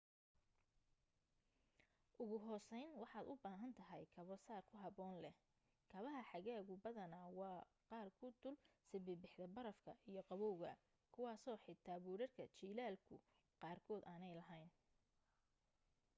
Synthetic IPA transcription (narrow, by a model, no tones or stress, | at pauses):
ʔʊɣʊɦɔːsɛjnwɑħɑːd̪ʊbaːɦɐnt̪ʰɐɦɛjkʰɐβɔsaːrkʰʊɦɐβɔːnlɛ | kʰɐβɐɦɐħɑɣaːɣʊbɐðɐnawɑː | qɑːrkʰʊd̪ʊlsɛβɪbɪħd̪ɐbɐɾɐfkʰɐijɞqɑβɔwɣɐ | kʰʊwɑːsɔːħɪd̪t̪ʰːaːβuːɾɐrkʰɐt͡ʃiːlaːlkʰʊ | qɑːrkʰɔːd̪aːnɛjlɐɦɛjn